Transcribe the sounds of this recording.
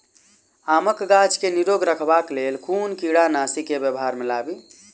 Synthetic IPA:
aməkɡat͡ʃkeniɾoɡɾəkʰbaklelkʰunkiɽanasikebjəbɦaɾmilabi

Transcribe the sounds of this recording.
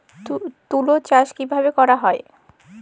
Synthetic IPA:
t̪ulot͡ɕaʃkibʱabekɔɾaɦɔe

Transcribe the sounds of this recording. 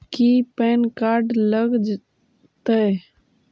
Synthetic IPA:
kipɛːnkaːɾɖləɡd͡ʒ | t̪ə

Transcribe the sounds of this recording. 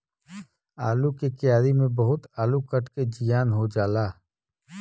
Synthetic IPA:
aːlukekɪjaːɾimẽbɐɦʊt̪aːlukəʈked͡ʒijaːnɦod͡ʒaːlaː

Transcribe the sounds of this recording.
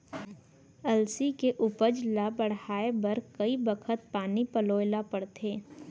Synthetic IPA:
ɐlsikeʔʊpəd͡ʒlabəɽhaːebɐɾkɐibəkʰət̪̚paːnipəloːlapəɽt̪ʰeː

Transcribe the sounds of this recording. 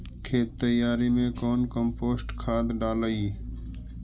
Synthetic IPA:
kʰeːt̪ːəjaːɾimẽkɔːnkəmpoːsʈkʰaːd̪ɖaːləi

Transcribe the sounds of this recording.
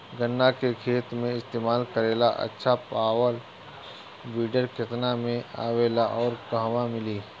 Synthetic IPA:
ɡənːakekʰeːt̪mẽɪst̪eːmaːlkəɾeːlaʔɐ̰tːʃʰapaːwəl | biːɖəɾket̪namẽa̰ːʋeːlaʔɔːɾkəɦʋamɪliː

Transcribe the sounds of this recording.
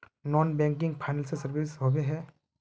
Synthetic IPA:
nɔːnbɛ̃ːŋk̬ɪ̃ŋɡpʰajnəlsesəɾbisɦobeɦɛː

